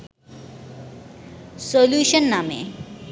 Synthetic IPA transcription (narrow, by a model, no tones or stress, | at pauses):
soljuːʃənːamḛ